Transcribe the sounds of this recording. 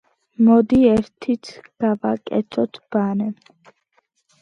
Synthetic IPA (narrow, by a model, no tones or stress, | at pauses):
mɔd̪iɛɾt̪ʰit̪ʰɡ̥avakʼɛ̰t̪sʰɔt̪ʰb̥anɛ